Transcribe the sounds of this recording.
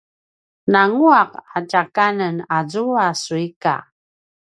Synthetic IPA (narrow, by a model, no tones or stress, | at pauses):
naŋuaqat͡ʃakanənazuasuika̰